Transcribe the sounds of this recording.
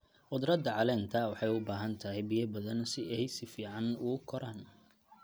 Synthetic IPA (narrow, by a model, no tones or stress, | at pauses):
ʔʊd̪rɐd̪ɐʕɑlɛːnt̪ʰɐwɑħɑjʊbaːɦɐnt̪ʰɐɦɛjbijɐbɐðɐnsɪɛɛjsɪfiːʕɑnʊʊkʰɔɾan